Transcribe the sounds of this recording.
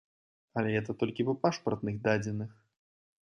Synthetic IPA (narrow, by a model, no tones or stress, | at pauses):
ɐlʲɛɣɛt̪ɐt̪ɔlʲkʲivɐpaʂpɐrt̪nɨɣd̪ad͡zʲɛnɨx